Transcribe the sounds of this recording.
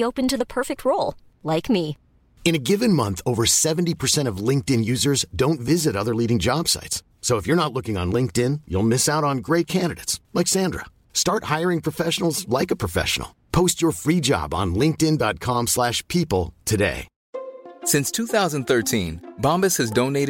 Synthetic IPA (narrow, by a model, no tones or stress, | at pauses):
oʊpɨ̃ntɨðəpʰɜ˞fɪk̚t̚ʰɹoʊlˠ | laɪkmi | ɨ̃ñɨɡɪvɨ̃nmʌ̃nθoʊvə˞sɛṽn̩tipʰə˞sɛ̃ɾ̃ʌvlɪ̃ŋk̚tɨ̃njʉzə˞zdõʊ̃ntvɪzɨɾʌðə˞liɾɪ̃ŋd͡ʒɑb̥sa̰ɪtsːoʊəfjə˞nətˡlʊkɪ̃ŋə̰̃nlɪ̃ŋk̚tɪ̃njṵlˠmɪsaʊɾn̩ɡɹeɪt̚kʰæ̃ndɨɾɨ̰ɪtslaksæ̃ndɹə̰ | stɑɹt̚haɪə˞ɪ̃ŋpʰɹ̥ɨfɛʃn̩l̩ˠzlaɪkəpʰɹ̥əfɛ̰ʃn̩̰l̩ˠpʰoʊst͡ʃə˞fɹid͡ʒɑ̰bn̩lɪ̃ŋk̚tɨ̃ndɑt̚kʰɑ̃mslæʃpʰipl̩ˠtʰɨdḛɪ | sɪ̃nstʰuθaʊzə̃n̩θɜ˞tʰĩnbɑ̃mbɨshɨzdõʊ̃neɪɾ